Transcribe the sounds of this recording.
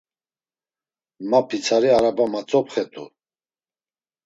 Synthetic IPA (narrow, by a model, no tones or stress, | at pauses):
mapʰit͡sʰaɾiaɾabamat͡sʼɔpχɛt̪ʼṵ